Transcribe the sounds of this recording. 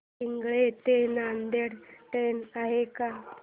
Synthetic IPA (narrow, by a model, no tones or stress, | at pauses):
iŋɡɭet̪enand̪eɽʈ̪enaɦeka